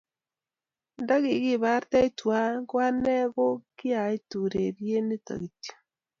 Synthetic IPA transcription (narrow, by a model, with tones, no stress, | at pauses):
nda˦ɣi˨ɣi˦βa˦ɾta˦i˦twa˦ɣwa˦ne˦ɣo˦ki˦a˨i˦tu˨ɾeɾje˦ne˦ta̰˨ɣi˨tio̥